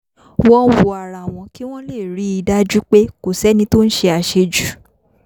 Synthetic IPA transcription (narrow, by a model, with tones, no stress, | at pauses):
wɔ̃˦wo˧˨a˨ɾa˨w̃ɔ̃˧ki˦w̃ɔ̃˦le˦˨ɾi˨˦i˧da˦d͡ʒu˦k͡pe˦ko˨sɛ˨˦nĩ˧˦to˦n̩˦ʃe˧a˧ʃe˧d͡ʒu˨˦˨